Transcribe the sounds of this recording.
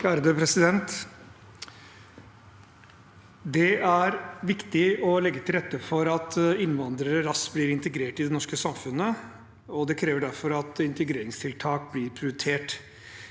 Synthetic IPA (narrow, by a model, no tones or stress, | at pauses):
æɾd̪øpʰɾɛsɪd̪ɛnt̪ | d̪ɛæɾʋɪkt̪ɪɔlɛɡːət̪ʰɪlɾɛt̪ːəfɔɾɑt̪ɪnʋɑnd̪ɾəɾəɾɑsbliːɾɪnt̪əɡɾeːʈɪd̪ɛnɔʂkəsɑmfʉnə | ɔd̪ɛkʰɾeːʋəɖæɾfɔɾɑt̪ɪnt̪əɡɾeːɾɪŋst̪ʰɪlt̪ʰɑːk̚blɪɾpʰɾʊjʉt̪ʰeːʈ